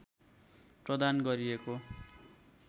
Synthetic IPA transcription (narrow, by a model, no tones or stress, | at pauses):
prʌd̪anɡʌɾieko